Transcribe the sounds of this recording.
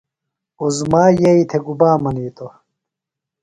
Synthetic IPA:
ozmaːjeit̪ʰeɡubaːmɐniːt̪o

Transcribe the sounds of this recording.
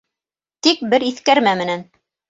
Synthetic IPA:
t̪ik̚bɘɾiθkæɾmæmɘ̆næn

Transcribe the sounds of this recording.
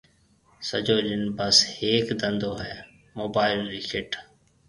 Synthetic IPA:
sə̰d͡ʒoːɗɪnbəsheːkd̪ənd̪oːɦɛː | moːbaːɪlɾiːkʰɪʈʰ

